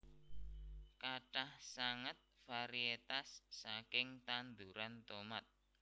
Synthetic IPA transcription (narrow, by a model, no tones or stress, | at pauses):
kaʈahsaŋət̪̚faɾiet̪asːakɪŋt̪and̪uɾant̪omat̪̚